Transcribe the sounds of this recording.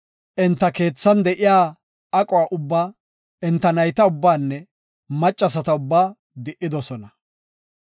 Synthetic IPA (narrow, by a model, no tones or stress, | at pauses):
ʔɪnt̪ːɐke̞ːt͡sːɐnd̪ɛʔɪjaː | ɐkʼɔwaːʔʊbːaː | ɪnt̪ːɐnɐjt̪ɐʊbːaːnːɛ | mɐt͡ʃʼːɐs̬ɐt̪ɐʊbːaː | d̪ɪʔːɪd̪ɔsɔnɐ